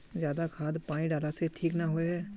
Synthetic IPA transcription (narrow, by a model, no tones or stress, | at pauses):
zjaːd̪akʰaːd̪pãːĩɖaːlaseʈʰiːknaɦoeɦɛː